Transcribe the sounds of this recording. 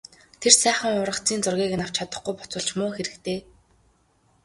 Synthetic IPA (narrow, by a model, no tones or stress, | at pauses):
t̪ʰersæːχə̆ŋʊɾə̆kt͡siːnt͡sʊrɣʲiːk̆naw̥t͡ɕʰat̪ə̆χɡujpʊ̥t͡sʊ̆ːɮt͡ɕmʊːxeɾɘ̆kt̪eː